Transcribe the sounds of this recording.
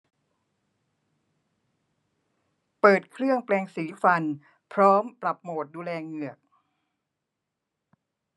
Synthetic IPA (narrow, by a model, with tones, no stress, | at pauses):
pɤː˨˩t̪̚kʰɾɯ˥˩əŋplɛː˧ŋsiː˩˦fa˧n | pʰɾɔː˦˥mpɾa˨˩p̚moː˨˩t̪̚duː˧lɛː˧ŋɯ˨˩ək̚